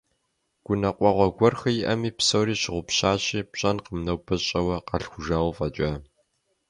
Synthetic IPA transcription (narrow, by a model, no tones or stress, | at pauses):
ɡ̥ʷʊnɐqʷʼɔʁʷɔɡʷɔrxɐjɪʔɐmiːpsowɾiːɕɪʁʷʊpɕaːɕʼiːpɕʼɐnqəmnɐwpʰɐɕʼɐwɐqɐɬxʷʊʒaːwfʼɐt͡ʃʼɐ